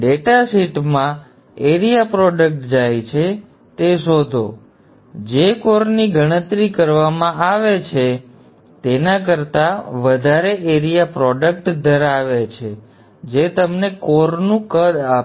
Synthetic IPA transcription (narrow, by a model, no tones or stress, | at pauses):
ɖeʈasiʈmã | eɾijapɾɔɖək̚ʈd͡ʒajt͡ʃʰe | t̪eʃod̪ʱo̰ | d͡ʒekoɾniɡəɽ̃ət̪ɾikəɾʋamãaʋet͡ʃʰe | t̪enak̬əɾt̪aʋəd̪ʱaɾeʔeɾijapɾɔɖək̚ʈd̪ʱəɾaʋet͡ʃʰe | d͡ʒet̪əmnekoɾnũkəd̪a